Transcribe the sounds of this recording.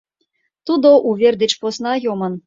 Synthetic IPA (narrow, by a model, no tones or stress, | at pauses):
t̪ud̪oʔuvʲerd̪ʲɘt͡ɕposnɑjomɤn